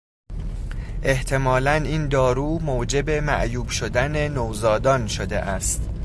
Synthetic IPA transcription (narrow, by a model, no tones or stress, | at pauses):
ʔe̞ht̪ʰe̞mɒːlæniːnd̪ɒːɾuːmoːd͡ʒe̞be̞mæ̰ʔjuːbʃod̪æne̞nowzɒːd̪ɒːnʃod̪ḛʔæst̪